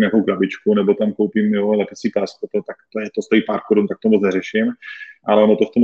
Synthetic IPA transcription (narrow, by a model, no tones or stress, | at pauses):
mɲaːkowkɾabɪt͡ʃkunɛbo̞t̪amkowpimjolɛpɪt͡sipaspɾot̪ot̪ak̚t̪ojɛt̪ost̪oiːpaːɾkoɾunt̪ak̚t̪omot͡snɛɾɛʃɪmʔalɛonot̪oft̪om